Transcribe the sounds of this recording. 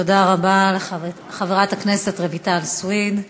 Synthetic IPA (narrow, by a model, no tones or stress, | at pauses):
odaʁabale | χaveʁathaknesetʁevitalswid